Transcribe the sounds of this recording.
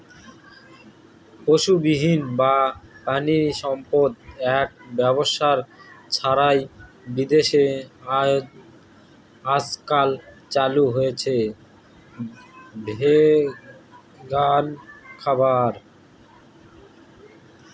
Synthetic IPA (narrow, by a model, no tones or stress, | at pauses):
poʃubiɦinbapaniʃɔmpod̪̚ɛk̚bɛboʃaɾt͡ɕʰaɾaj | bid̪eʃe | askal | t͡ɕaluɦojet͡ɕʰe | bʱe | ɡankʰabaɾ